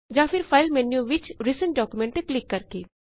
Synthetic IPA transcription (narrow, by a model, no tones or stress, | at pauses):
d͡ʒãːfɪɾfʰaːɪlmɛ̃ːnjõʋɪt͡ʃɾisə̃ɳʈɖɔːkumẽɳʈeklɪkːɐɾkeː